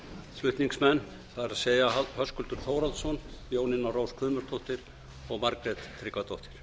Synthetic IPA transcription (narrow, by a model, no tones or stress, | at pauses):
θvʏht̪niŋksmɛnː | θaðɛɾaðseːjahœskʏlt̪ʏɾ̥θoːwɾalt̪sɔnpjoːwnɪnawroːwskʰvʏːmʏɾ̥t̪owht̪ɪɾ̥ | ɔɣmaɾkɾɛt̪ʰːɾɪkvat̪ʰowht̪ɪ̥ɾ̥